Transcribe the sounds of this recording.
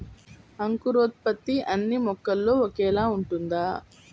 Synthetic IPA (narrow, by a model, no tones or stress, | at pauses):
ɐŋkuɾoːt̪̚pɐt̪ːiʔɐnːimɔkːɐlːo̞ːokɛːlaːuɳʈund̪aː